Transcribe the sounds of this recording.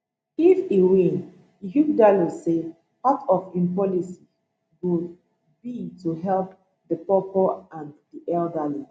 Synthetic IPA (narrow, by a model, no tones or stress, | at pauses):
ifiwĩn | ɦudalise | patʰɔfĩnpɔlisi | wud | bituɦɛlp | ðəpɔpɔãndiʔɛldali